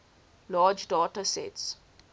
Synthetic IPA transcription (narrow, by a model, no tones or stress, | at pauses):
laːd͡ʒɖɔʈəsɛ̰ts